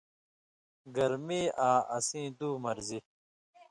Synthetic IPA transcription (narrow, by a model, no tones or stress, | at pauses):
ɡɐɾmiːʔaːʔɐsĩːd̪uːmɐɾzi